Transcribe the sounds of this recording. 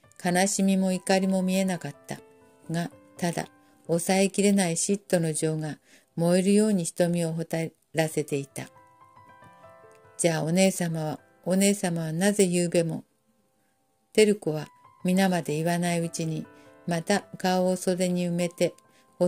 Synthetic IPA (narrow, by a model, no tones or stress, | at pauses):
kanaɕimʲimo̞ikaɾʲimo̞mʲie̞nakat̪ːa̰ | ɡat̪ad̪a̰ | o̞sae̞kʲiɾe̞naiɕit̪ːo̞no̞ʑo̞ːŋɡa | mo̞eɾɯ̟jo̞ːɲ̟içi̥t̪o̞mʲio̞ɦot̪a | ɾase̞t̪e̞it̪a | d͡ʑaːo̞ne̞ːsamaβa | one̞ːsamaβanaze̞jɯːbe̞mo̞̰ | t̪e̞ɾɯ̟ko̞β̞a | mʲinamad̪e̞iβanaiɯ̟t͡ɕiɲ̟i | mat̪aɡaoːso̞d̪e̞ɲ̟iɯ̟me̞t̪e̞ | o